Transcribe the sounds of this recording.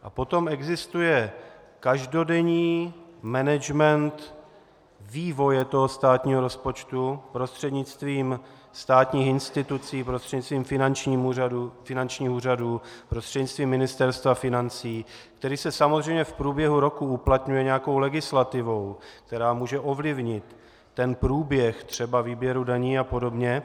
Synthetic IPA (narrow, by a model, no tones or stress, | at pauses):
ʔapo̞t̪o̞mɛɡzɪst̪ujɛ | kaʒdo̞dɛɲiːmɛnɛd͡ʒmɛnt̪ | viːvo̞jɛt̪o̞ɦo̞st̪aːt̪ɲiːɦoɾo̞spo̞t͡ʃt̪upɾo̞st̪r̥ɛdɲɪt͡st̪viːm | st̪aːt̪ɲiːxɪnst̪ɪt̪ut͡siːpɾost̪r̥ɛɟɲɪt͡st̪viːmfɪnant͡ʃɲiːmuːaufɪnant͡ʃɲiːxuːraduːpɾost̪r̥ɛdɲɪt͡st̪viːmːɪnɪst̪ɛɾst̪vafɪnant͡siː | kt̪ɛɾiːsɛsamozr̝ɛjmɲɛfpɾuːbjɛɦuɾo̞kuuplat̪ɲujɛɲɛjako̞wlɛɡɪslat̪ɪvo̞wk̚t̪ɛɾaːmuːʒɛʔo̞vlɪvɲɪt̪ː | ɛnpɾuːbjɛxt̪r̝̥ɛbaviːbjɛɾudaɲiːapo̞do̞bɲɛ